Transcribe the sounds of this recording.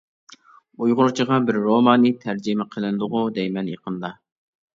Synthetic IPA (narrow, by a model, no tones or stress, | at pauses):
ujʁʊɾt͡ʃʰəʁɑbɪɾːomɑːnɨt̪ʰæɾd͡ʒimɛqʰəlˠɨnɨd̪ʊʁʊd̪ɛjmɛnjeqʰənd̪ɑ